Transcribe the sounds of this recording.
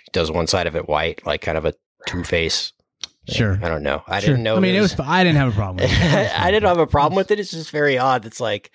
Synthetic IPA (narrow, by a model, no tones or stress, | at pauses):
d̥ʌzwʌ̃nsaɪɾʌvɨt̚wa̰ɪt̚la̰ɪkʰãɪ̃ndʌvɨ | tʰʉfeɪs | ʃʊɹɪɾõʊ̃nːo̰ʊaɪɪdn̩noʊmĩnɪt̚wʌz̥aɪdɪdⁿn̩t̚hɨvəpʰɹ̥ɑblm̩a̰ɪdɪdⁿn̩t̚həvəpʰɹ̥ɑblˠm̩wɨðɨɾɨtsd̥ʒ̥ʌstv̥ɛɹiɑdɨtslaɪk